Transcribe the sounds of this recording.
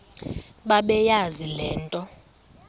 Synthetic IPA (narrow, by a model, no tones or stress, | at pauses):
ɓaɓɛjazilɛːntʼɔ